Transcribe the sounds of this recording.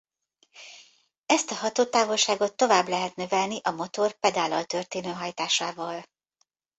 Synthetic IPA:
ɛst̪ɒɦɒt̪oːt̪aːvo̞lʃaːɡo̞t̪ːo̞vaːblɛɦɛt̪nø̞vɛlniʔɒmo̞t̪o̞rpɛd̪aːlɒlt̪ørt̪eːnøːɦɒjt̪aːʃaːvɒl

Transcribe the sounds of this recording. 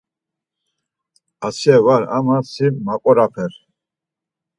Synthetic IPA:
asjɛvaɾa̰masimaqʼɔɾapʰɛɾ

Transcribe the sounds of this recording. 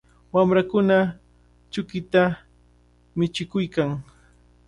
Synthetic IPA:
wamɾakʊna | t͡ʃʊkɪt̪a | mɪt͡ʃɪkʊjkaŋ

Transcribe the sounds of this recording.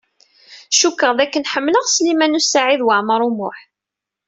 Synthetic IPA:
ʃukːəʁðækːənħəmːləʁslimænusaʕiðwəʕməɾˤumʊħ

